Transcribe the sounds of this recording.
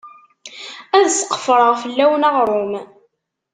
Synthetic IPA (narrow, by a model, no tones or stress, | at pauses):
æðsə̥qːə̥fɾˤəʁfəlːæwnɑʁɾˤʊm